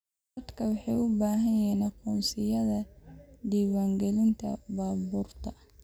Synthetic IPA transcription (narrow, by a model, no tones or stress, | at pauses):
dɐd̪kʰɐwɑħɑjʊbaːɦɐjɛːnɐqɔːnsɪjɐðɐd̪iːwaːŋɡɛlɪnt̪ʰɐ̰baːbuːrt̪ʰɐ